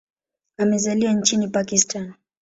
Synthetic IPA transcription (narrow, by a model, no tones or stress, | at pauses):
amɛzaliwant͡ʃinipakistan